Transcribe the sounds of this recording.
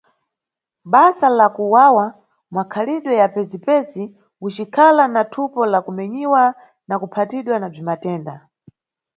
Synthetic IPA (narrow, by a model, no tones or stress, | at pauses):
ɓasalakuwawa | mwakʰaliɗwɛjapɛzipɛsi | ut͡ʃikʰalanatʰupɔlakumɛɲiwa | nakupʰatiɗwanab͡ʐimatɛːnda